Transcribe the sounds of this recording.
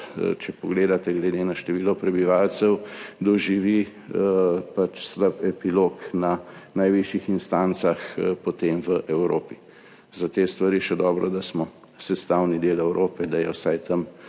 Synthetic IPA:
t͡ʃɛpɔɡleːd̪at̪ɛɡlɛd̪enaʃt̪ɛʋiːlɔpɾɛbiʋalt̪sɛwd̪ɔʒiʋi | pat͡ʃsləpɛpiloknanajʋiʃjixinst̪ant̪saxpɔt̪emʋəʔɛwɾo̰ːpi | zat̪eːst̪ʋaɾiʃɛd̪ɔːbɾɔd̪asmɔ | sɛst̪awnid̪eːlɛwɾʔoːpɛd̪ajɛwsajt̪ɐm

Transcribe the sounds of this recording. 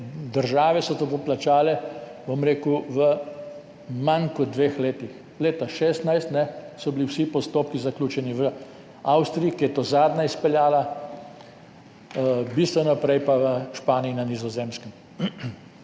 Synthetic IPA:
d̪əɾʒaːʋɛsɔt̪opoplat͡ʃaːlɛbomɾeːkuʋə | maŋkɔd̪ʋeːxleːt̪ix | leːt̪aʃɛːst̪najst̪nɛsɔbiliwsipɔst̪oːpkizaklʲuːt͡ʃɛniʋə | awst̪ɾiikijɛt̪oːzaːd̪naispɛljaːla | bist̪ʋɛnɔpɾɛjpaʋəʃpaːniːnanizɔzeːmskəm

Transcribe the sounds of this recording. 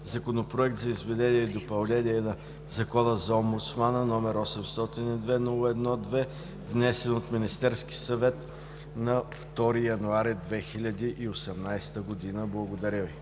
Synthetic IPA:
zɐkonopɾoɛk̚t̪zɐizvɛd̪ɛniɛd̪opɐlˠnɛniɛnɐ | zɐkɔnəzɐɔmbʊt̪smanənɔmɛɾɔsɛmst̪ɔt̪inid̪vɛnulˠɛd̪nɔd̪vɛ | vnɛsɛnot̪minist̪ɛɾski̥sɐvɛt̪ | nɐft̪ɔɾijɐnuaɾid̪vɛxilʲəd̪iʔiosɛmnajst̪əɡod̪inəblˠɐɡod̪ɐɾʲəvi

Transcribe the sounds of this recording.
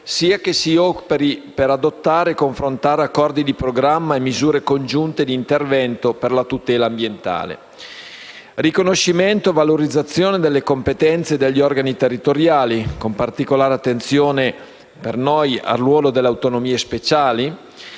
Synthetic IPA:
siːakesiɔpeɾipeɾad̪ot̪ːaːɾekoɱfɾont̪aːɾeakːɔrd̪id̪ipɾoɡɾamːaemːizuːɾekond͡ʒunt̪ed̪iːnt̪ervɛnt̪operlat̪ut̪ɛːlaːmbjent̪a̰ːlḛ | rikonoʃiment̪ovaloɾid̪zːat̪sːjoːned̪elːekompet̪ɛnt̪sed̪eʎːiɔrɡanit̪erːit̪oɾjaːlikompart̪ikolaːɾeat̪ːent̪sjoːne | pernoja̰rːwɔːlod̪elːeawt̪onomiːespet͡ʃaːli

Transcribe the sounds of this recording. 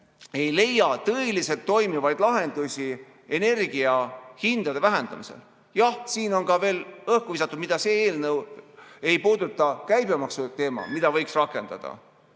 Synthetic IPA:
e̞jle̞jːɑt̪ɤelise̞lt̪ːo̞jmivɑjd̪̥lɑɦe̞nd̪̥usʲi | e̞ne̞rɡiɑhind̪̥ɑd̪e̞væɦend̪̥ɑmise̞̰l | jɑhsiːno̞nkɑve̞ːlɤhkuvisɑt̪ːˑud̪̥mid̪̥ɑse̞eːlnɤwe̞jpuːd̪ut̪ːˑɑkæjbemɑksut̪e̞ːmɑ̰mid̪̥ɑvɤjksrɑkːˑe̞nd̪̥ɑ̰d̪̥ɑ̰

